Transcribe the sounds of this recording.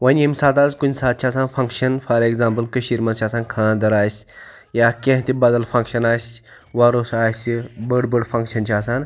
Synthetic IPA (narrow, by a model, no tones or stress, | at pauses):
ʋɐnʲemsaːt̪aːzkunʲsaːt̪̚t͡ʃʰaːsãːnfɐŋkʃɐnfʰaɾekzãːmpəlkəɕiɾmɐt͡ɕʰaːsaːnkʰãːnd̪ɐɾaːjsʲ | jakẽɦt̪ibɐd̪ɐlfɐ̃ŋkʃɐnaːjs | ʋaɾosaːsibəɽbəɽfɐ̃ŋkʃɐnt͡ɕʰiaːsaːn